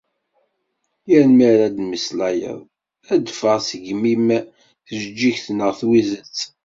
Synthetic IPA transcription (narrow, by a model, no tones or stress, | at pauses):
jəɾmiɾæd̪mislæjə̰ðˤ | æd̪fəʁsəʝmim | θəʒəd͡ʒːiçθnəʁθwizət͡sː